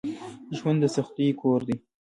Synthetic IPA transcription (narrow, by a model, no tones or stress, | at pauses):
ʒwand̪ːəsaxt̪ikʰoɾd̪i